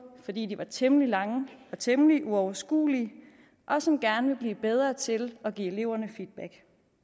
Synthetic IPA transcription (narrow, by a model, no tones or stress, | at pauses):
fɒ̽d̥ḭːd̥iʋɑ̈t͡sʰemlilɑ̈ŋəɒ̽t͡sʰemliʔuɒʊɐsɡ̥ṵːli | ʔɒ̽sɒ̽mɡ̥æɐnəʋe̝b̥liːb̥eð̞ˠʁɐːt͡sʰe̝lɒ̽ɡ̥ḭe̝le̝ʊ̰ɐnəfid̥̚b̥æɡ̥